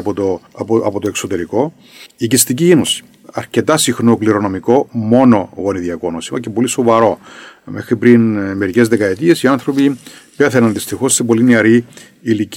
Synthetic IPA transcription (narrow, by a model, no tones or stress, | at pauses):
pot̪oɐpot̪oeksot̪e̞ɾiko̞ | icist̪icienosi̥ | ɐɾce̞t̪ɐsixnokliɾo̞no̞miko̞mo̞no̞ɣo̞niðiɐko̞nosimɐcepo̞liso̞vɐɾo̞me̞xɾipɾinme̞ɾice̞zðe̞kɐet̪ie̞siɐnθɾopipe̞θenɐnðist̪ixo̞st̪ibo̞lineɐɾi | ilic